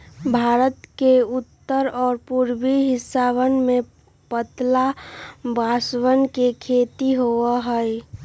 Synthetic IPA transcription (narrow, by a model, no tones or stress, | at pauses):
bʱaːɾət̪keʊt̪ːəɾɔːɾpuɾbiɦɪsaβənmẽ | pət̪labaswənkekʰet̪iɦoəɦəj